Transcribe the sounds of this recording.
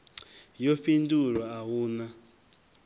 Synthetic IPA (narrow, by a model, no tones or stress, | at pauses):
joɸinduɺwaːwuːna